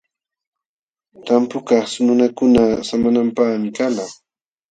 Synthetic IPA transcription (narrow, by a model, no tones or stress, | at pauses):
t̪ampʊkɑχsʊnʊnakʊnasamanampaχmɪkala